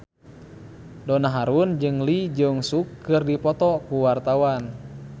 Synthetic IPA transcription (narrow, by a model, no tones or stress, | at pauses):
dɔnaɦaɾund͡ʒɨŋlid͡ʒɨŋsukːɨrdipɔt̪ɔkuwart̪awan